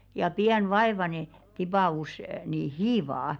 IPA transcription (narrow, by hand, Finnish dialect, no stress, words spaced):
jɑ piæn ʋɑeʋɑne tipɑˑus niˑ hiːʋɑː